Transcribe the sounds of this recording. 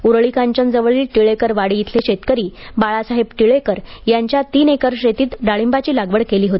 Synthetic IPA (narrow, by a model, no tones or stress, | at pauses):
uɾɭikaɲt͡ɕənd͡zəʋəɭiːlʈiɭekəɾʋaɽiit̪ʰleɕet̪kəɾiːbaɭasaɦebʈiɭekəɾjaɲt͡ɕjat̪iːnekəɾɕet̪iːt̪ɖaɭimbat͡ɕiːlaɡʋəɽkeliːɦot̪i